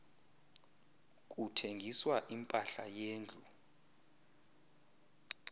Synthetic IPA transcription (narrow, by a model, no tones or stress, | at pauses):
k̬ʼutʰeŋɡʱiswaʔimpʼaɬajeːnd͡ɮʱu